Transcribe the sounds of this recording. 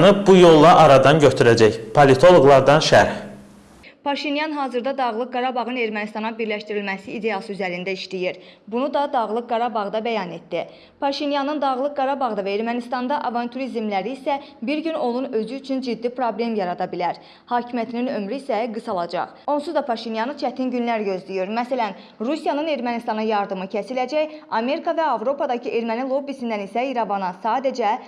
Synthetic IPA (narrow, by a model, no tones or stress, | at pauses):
nɯbujo̞lˠːɑʔɑɾɑd̪ɑnɟøt̪ʰyɾæd͡ʒæçpʰolit̪ʰo̞lˠo̞ɡlˠɑɾd̪ɑnʃæɾh | pʰɑʃinjɑnɦɑːzɯɾd̪ɑd̪ɑɣlˠɯk̚ɡɑɾɑbɑʁɯne̞ɾmænist̪ɑnɑbiɾlæʃt̪iɾilmæsiːd̪e̞jɑsɯyzæɾind̪æiʃlijiɾ | bunud̪ɑd̪ɑʁlˠɯk̚ɡɑɾɑbɑʁd̪ɑbæjɑne̞t̪d̪i | pʰɑʃinjɑnɯnd̪ɑɣlˠɯk̚ɡɑɾɑbɑʁd̪ɑvæeɾmænist̪ɑnd̪ɑʔɑvɑnt̪ʰuɾizmlæɾiːsæbiɾɟyno̞nunø̞zyyt͡ʃʰynd͡ʒid̪ːipʰɾo̞ble̞mjɑɾɑd̪ɑbilæɾ | hɑːcʰimijæt̪ʰininø̞mɾyːsæɡɯsɑlˠɑd͡ʒɑ̰χo̞nsuzd̪ɑpʰɑʃinjɑnɯt͡ʃʰæt̪ʰinɟynlæɾɟø̞zlijiɾmæsælæn | ɾusijɑnɯne̞ɾmænist̪ɑnɑjɑɾd̪ɯmɯcʰesilæd͡ʒæjɑme̞ɾikʰɑvæɑvɾo̞pʰɑd̪ɑcʰiʔe̞ɾmænilˠo̞bisind̪ænisæiɾɑvɑnɑsɑːd̪æd͡ʒæ